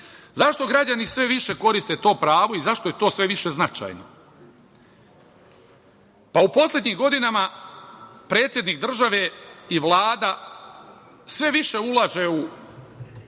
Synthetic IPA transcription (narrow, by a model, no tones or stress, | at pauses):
zaʃt̪o̞ɡɾad͡ʑanisʋe̞ʋiʃe̞ko̞ɾist̪e̞t̪o̞ːpɾaːʋo̞izaʃt̪o̞je̞t̪o̞ːsʋe̞ʋiʃe̞znat͡ʃa̰jno̰ | paupo̞slʲe̞d̪ɲiːmɡo̞d̪inama | pɾe̞ːt̪sʲje̞d̪niːk̚d̪r̩ʒaʋeiʋlˠaːd̪a | sʋe̞ʋiʃe̞ulˠaʒe̞u